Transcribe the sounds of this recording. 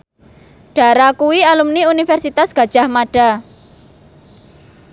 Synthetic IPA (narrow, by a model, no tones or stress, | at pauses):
ɖ̥a̤ɾakuwialumniunifɛrsit̪asɡ̥a̤d̥ʒ̥a̤hmaɖ̥a̤